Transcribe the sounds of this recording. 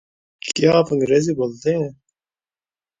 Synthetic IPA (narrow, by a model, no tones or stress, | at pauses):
kjaːpɐ̃ŋɡɾeːziboːlt̪eɦɛ̃